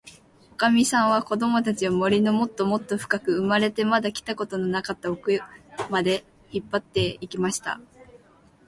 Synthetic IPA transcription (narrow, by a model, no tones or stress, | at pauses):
okamʲisãɰ̃β̞ako̞d̪o̞mo̞t̪at͡ɕiomo̞ɾʲino̞mo̞t̪ːo̞mo̞t̪ːo̞ɸɯ̟̥kakɯ̟ɯmaɾe̞t̪e̞mad̪akʲi̥t̪ako̞t̪o̞no̞nakat̪ːaokɯmad̪e̞ | çipːat̪ːe̞ikʲimaɕi̥t̪a̰